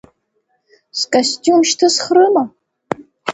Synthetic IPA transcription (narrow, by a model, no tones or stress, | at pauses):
skʼastʲʼumʃtʰɨsχɾɨma